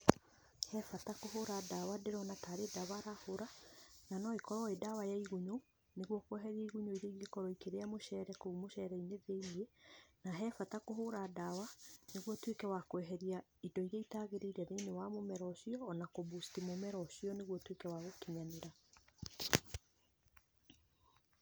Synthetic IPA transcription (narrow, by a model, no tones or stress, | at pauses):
hɛfatakohoɾadawadeɾɔnataɾedaβaɾahoɾananɔekɔɾɔedawajaiɣuɲo | neɣwɔkwɛɦɛɾiaiɣuɲoiɾeiɣekɔɾɔikeɾeamoʃɛɾɛkoumoʃɛɾɛineðeinienaɦɛːfatakoɦoɾadawaneɣwɔtwekɛwakwɛɦɛɾiaidɔiɾeitaɣeɾeiɾɛðenewamomɛɾɔʃiɔːnakobustimomɛɾɔɕiɔneɣwɔtwekɛwaɣokiɲaneɾa